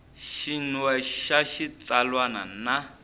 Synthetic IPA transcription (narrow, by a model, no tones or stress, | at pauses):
ʃinwɛʃaʃit͡salwana̰na